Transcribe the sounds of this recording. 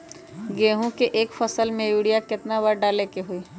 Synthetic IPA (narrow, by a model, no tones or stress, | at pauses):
ɡeːɦũkeʔeːkfʰəsəlmẽjuːɽijakɪt̪nabəɾɖaːlekeɦuiː